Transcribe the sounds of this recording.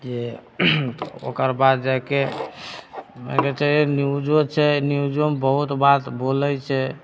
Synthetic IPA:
d͡ʒe | o̰kəɾbad̪d͡ʒake | mə̰̃ɡeʈeɾeniud͡ʒot͡ʃʰɛniud͡ʒombəɦut̪bat̪bolɛt͡ʃʰɛ

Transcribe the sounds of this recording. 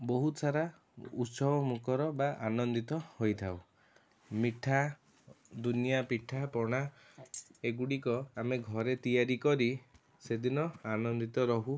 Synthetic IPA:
boɦut̪saɾa | ṵt̪sɔbɔmukʰɔɾɔbaʔanɔnd̪it̪ɔhojt̪ʰaw | miʈʰa | d̪unijapiʈʰapɔɽ̃a | eɡuɽikɔameɡʱɔɾet̪ijaɾikɔɾi | sed̪inɔanɔnd̪it̪ɔɾɔɦu

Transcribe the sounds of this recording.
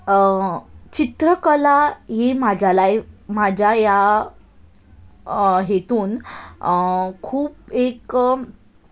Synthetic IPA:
t͡ɕit̪ɾəkəlaɦemad͡ʑʱalajmad͡ʑʱjaja | ɦet̪uːn | kʰuːpek

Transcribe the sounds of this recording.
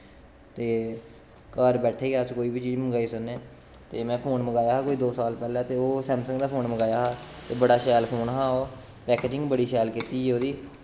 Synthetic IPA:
t̪eː | kaːɾbɛːʈʰeːɡaːskoːiːbiːt͡ʃiːzməɡaːiːsʊnːeː | t̪eːmɛ̃ːpʰoːnməɡaːjaːɦaːkoːiːd̪oːsaːlpɛːlɛ̃ːt̪eːoːsɛ̃ːmsə̃ŋɡd̪aːpʰoːnməɡaːjaːɦaːt̪eːbəɽaːʃɛːlpʰoːnɦãːoː | pɛːkeːd͡ʒɪ̃ŋɡbəɽiːsɛːlkit̪iːoːd̪iː

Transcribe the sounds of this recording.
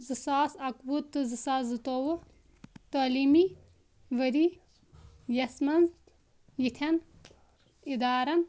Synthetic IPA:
zɨsaːsɐkbut̪ːɨzɨsaːszɨt̪oːwu | t̪oːlimi | ʋɐɾi | jɐsmɐnz | jit̪ʰɐn | id̪aːɾɐn

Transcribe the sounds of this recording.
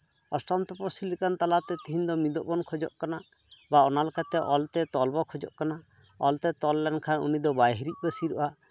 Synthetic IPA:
ɔst̪ɔnt̪ɔpɔɾsilikant̪alat̪ɛt̪iɦiɲd̪ɔmid̪ɔʔbɔnkʰɔd͡ʒɔ̰ʔkana | baɔnalkat̪ɛʔɔlt̪ɛt̪ɔlbɔkʰɔd͡ʒɔ̰ʔkana | ɔlt̪ɛt̪ɔlːɛnkʰanṵnid̪ɔbajɦiɾit̪̚ˀbəsiɾɔʔa

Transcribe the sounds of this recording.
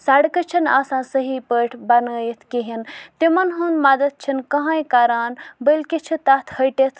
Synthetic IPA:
sɐɽkɐt͡ʃʰina̰ːsãːsəɦiːpəːʈʰbɐnəːjit̪ʰkiɦint̪imɐnɦund̪mɐd̪ɐt̪̚t͡ʃʰinkɐɦãːjkaːɾaːnbəlkit͡ʃʰit̪at̪ʰhɐjʈet̪ʰ

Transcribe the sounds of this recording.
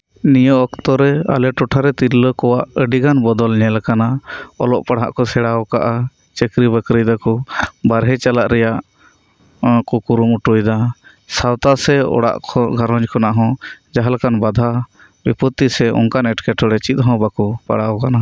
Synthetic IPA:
nijɔʔɔkt̪ɔɾɛa̰lɛʈɔʈʰaɾɛt̪iɾləkɔwaʔəɖiɡanbɔd̪ɔlɲɛlakanaɔ̰lɔʔpaɽ̤a̰ʔkɔsɛɽawɔkaʔa | t͡ʃəkɾibəkɾijd̪akɔbaɾɦɛt͡ʃalaʔɾɛjaʔ | kɔkuɾumuʈujd̪a | sawt̪asɛɔ̰ɽa̰ʔkʰɔɡʱaɾɔ̃ɲd͡ʒkʰɔnaʔɦɔ̃d͡ʒaɦalakanbad̪ʱa | bipɔt̪ːisɛɔ̰ŋkanɛʈkɛʈʰɔɽɛt͡ʃit̪̚ɦɔ̃bakɔpa̰ɽawɔkana

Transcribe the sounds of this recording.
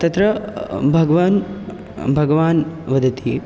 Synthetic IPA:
t̪ɐt̪ɾɐbʱɐɡɐʋaːn | bʱɐɡɐʋaːnʋɐd̪ʱɐt̪i

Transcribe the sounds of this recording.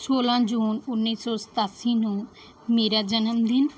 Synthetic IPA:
soːlãd͡ʒuːnʊnːisɔsə̥t̪aːsinũ | meːɾad͡ʒɐnəmd̪ʱɪn

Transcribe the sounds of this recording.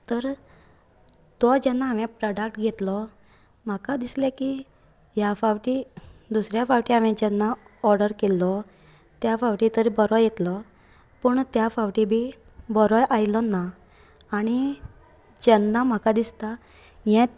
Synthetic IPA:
t̪əɾ | t̪ɔd͡ʑɛnːaɦaʋɛ̃pɾɔɖək̚ʈɡʱet̪lɔ | m̤akad̪islɛ̃ki | jafaʋʈid̪usɾjafawʈiɦaʋɛ̃d͡ʑɛnːaɔɾɖəɾkelːɔ | t̪jafaʋʈit̪əɾbəɾɔjjet̪lɔ | pəɳt̪jafawʈibʱi | bəɾɔjʔajlɔnːaː | ɽ̃i | d͡ʑɛnːam̤akad̪ist̪a | jɛ̃

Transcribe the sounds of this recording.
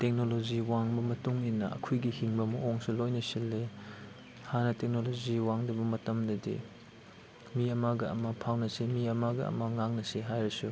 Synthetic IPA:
tek̚noloziwaŋbɐmɐtuŋinːɐ̰ɐ̰kʰujɡihiŋbɐmɐoŋsulojnɐsilːe | hanɐtek̚noloziwaŋdɐbɐmɐtɐmdɐdḭ | miɐmaɡɐɐ̰mɐpʰawnɐsimiɐmaɡɐ̰ɐ̰mɐŋaŋnɐsiɦajɾɐsu

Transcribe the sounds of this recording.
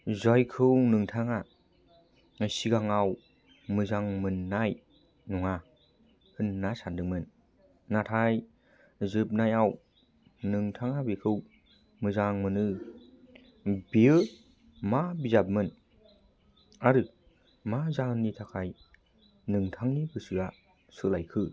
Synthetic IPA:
zɔjkʰɯwnɯŋtʰaŋa | siɡaŋaw | mɯzaŋmɯnːaj | nɔŋa | hɯnːasandɯŋ̚mɯnː | atʰaj | zɯp̚najaw | nɯŋtʰaŋabekʰɯw | mɯzaŋmɯnɯ | biɯ | mabizap̚mɯn | aɾɯ | mazahɯnːitʰakʰaj | nɯŋtʰaŋnibʰɯsiɡa | sɯlajkʰɯ

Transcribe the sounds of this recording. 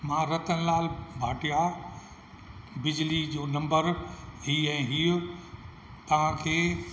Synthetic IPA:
mãːɾɐt̪ənɪ̆laːlbʱaːʈija | bɪd͡ʑlid͡ʑoːnɐ̃mbəɾɦiːɛ̃ːɦiːʊ | t̪ɐʋ̤ãkʰeː

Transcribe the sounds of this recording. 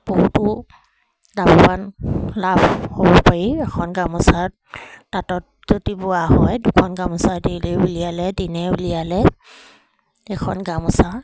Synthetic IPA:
b̥oɦutʊ | dabɔbanlabhobɔpaɹiɛkʰɔnɡamɔsa | tatɔt̚zodibʊwaɦɔjdʊkʰɔnɡamɔsadiliulijalɛdinɛulijalɛ | ɛkʰɔnɡamɔsa

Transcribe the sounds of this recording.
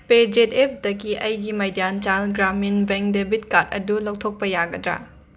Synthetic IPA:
ped͡ʒetep̚ʰdɐɡiʔɐjɡimɐjdant͡ʃalɡɾaminbeŋdebʱit̚kat̚ɐ̰dulɐwtʰok̚pɐjaɡɐdɾa̰

